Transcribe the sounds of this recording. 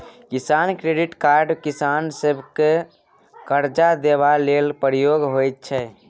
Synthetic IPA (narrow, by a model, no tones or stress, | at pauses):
kisankɾeɖiʈkaɾɖkisansəbʱke | kəɾd͡ʒad̪ebalelpəɾijoɡɦojt̪̚t͡ʃʰɛ